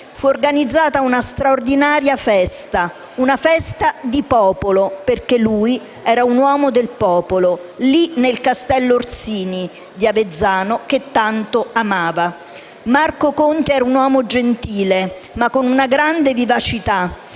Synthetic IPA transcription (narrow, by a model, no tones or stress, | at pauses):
fuorɡanid̪zːaːt̪aunast̪ɾaord̪inaːɾjafɛst̪a | unafɛst̪ad̪ipɔːpoloperkelːuːj | ɛːɾaunwɔːmod̪elpɔːpololinelkast̪ɛlːorsiːni | d̪iaved̪zːaːnok̟et̪ːant̪oamaːva | markokont̪eɛːɾaunwɔːmod͡ʒent̪iːle | makːonunaɡɾand̪evivat͡ʃit̪a